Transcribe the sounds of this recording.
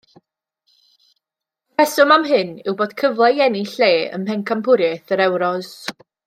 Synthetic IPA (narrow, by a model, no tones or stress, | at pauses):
pʰɛsʊmamɦɨnɪwboːd̥kʰəvlˠɛɛniɬeːə̰mpɛnkʰampʰʊɾjɛθəɾɛwɾɔz̥